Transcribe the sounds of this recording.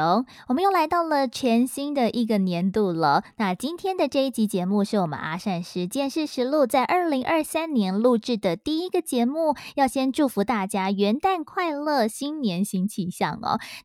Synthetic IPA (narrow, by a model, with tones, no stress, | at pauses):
o˧˦wɔ˨˩mə˦jo˥˩ʊla˧˥ɪt̪ɑ˥˩ʊlə˨t͡ɕʰɥjɛ˧˥nɕi˥ŋd̪ə˨ʔi˧˥ɡə˨njɛ˧˥nt̪u˥˩lə˩na˥˧t͡ɕi˥nt̪ʰjɛ˥nd̪ə˨ʈ͡ʂɤ˥˧i˥˩t͡ɕi˧˥t͡ɕjɛ˧˥mu˥˧ʂɻ̩˥˩wɔ˨˩mə̰˦na̰˥ʂa˥˩nʂɻ̩˧˥t͡ɕjɛ˥˧nʂɻ̩˥˩ʂɻ̩˧˥lu˥˧t͡sa˥˧ɪʔə˞˥˩li˧˥ŋʔə˞˥˧sa˥nnjɛ˧˥nlu˥˧ʈ͡ʂɻ̩˥˩d̪ə˩t̪i˥˩i˦˥ɡə˨t͡ɕjɛ˧˥mu˥˩jɑ˥˩ʊɕjɛ˥nʈ͡ʂu˥˩fu˧˥t̪a˥˩t͡ɕja˥ɥɛ˧˥nt̪a˥˧nkʰwa˥˧ɪlɤ˥˩ɕi˥nnjɛ˧˥nɕi˥ŋt͡ɕʰi˥˧˩ɕjɑ̰˥˩ŋɔ̰˩